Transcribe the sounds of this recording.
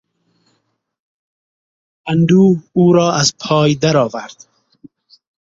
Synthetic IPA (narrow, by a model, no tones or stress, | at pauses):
and̪uːuːɾɔːʔazpʰɑːjd̪aɾɒːvaɾd̪̥